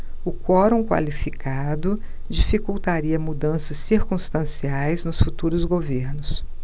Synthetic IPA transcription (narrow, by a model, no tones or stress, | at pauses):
ʊkwɔɾõkwa̰lifikad̪ʊ | d͡ʒifikuwt̪aɾiɐmud̪ɐ̃sɐsːiɾkũst̪ɐ̃siajznʊsfut̪uɾʊzɡoveɾnʊs